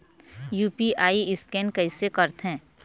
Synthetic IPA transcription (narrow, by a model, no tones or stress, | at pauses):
juːpiʔaːiɪskɛ̃ːnkɐɪsekɐɾt̪ɦɛ̃ː